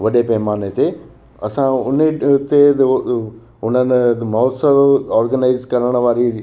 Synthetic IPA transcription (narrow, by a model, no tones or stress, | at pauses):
ʋɐɗepɐɦmaːnet̪ʰe | ɐ̰sãʊneʊt̪e | ʊn̤ən̆mɔːsəʋɔːɾɡənaɪzkɐɾəɽ̃ʋaːɾi